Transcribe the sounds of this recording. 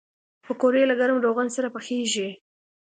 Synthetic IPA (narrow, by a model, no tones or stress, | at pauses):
pəkoɾelaɡaɾmɾoɣansaɾapəxeʒi